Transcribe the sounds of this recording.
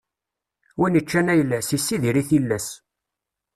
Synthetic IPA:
winət͡ʃːænæjəlːæsisːiðiɾiθilːæs

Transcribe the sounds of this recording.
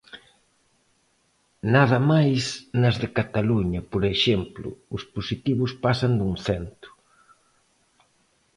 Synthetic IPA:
naðɐmajsnɐzðɪkat̪aluɲɐpoɾeʃɛmplʊ̰ʊsposit̪iβʊspasɐnd̪uŋθɛnt̪ʊ̥

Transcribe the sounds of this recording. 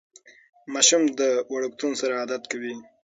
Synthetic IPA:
maʃumd̪əwaɽukt̪unsaɾaːd̪at̪kawi

